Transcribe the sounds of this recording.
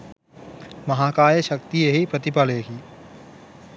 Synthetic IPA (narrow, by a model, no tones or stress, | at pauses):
mɐɦaːkaːjəʃɐkt̪ijeɦipɾɐt̪ɪpəleːkiː